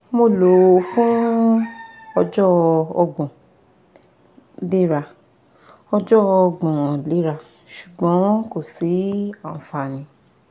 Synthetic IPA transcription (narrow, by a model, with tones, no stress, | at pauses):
mo˧˨lo˨fũ˦ | ɔ˧d͡ʒɔ˦ɔ˧ɡ͡bɔ̃˨ | le˦ɾa˧˨ | ɔ˧d͡ʒɔ˦ɔ˧ɡ͡bɔ̃˨le˦ɾa˧ | ʃu˨ɡ͡bɔ̃˨˦ko˦˨si˨˦ã˨fa˧˨nĩ˨˧˦